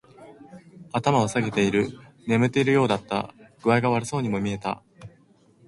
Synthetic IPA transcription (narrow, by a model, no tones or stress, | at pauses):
at̪amaosaɡe̞t̪e̞iɾɯ̟ | ne̞mɯ̟t̪ːe̞iɾɯ̟jo̞ːd̪at̪ːa̰ɡ̥ɯ̟βaiɡaβaɾɯ̟so̞ːɲ̟imo̞mʲie̞t̪a̰